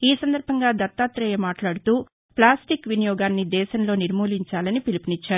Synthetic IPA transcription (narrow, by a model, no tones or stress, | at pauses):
iːsɐnd̪ɐɾbʱɐŋɡaːd̪ɐt̪ːaːt̪ɾɐjemaːʈlaːɽut̪uː | plaːsʈikʋinijɔːɡaːnːid̪ɛːʃɐnlo̞ːniɾmuːliɲt͡ʃaːlɐnipilipinit͡ʃːaːɾu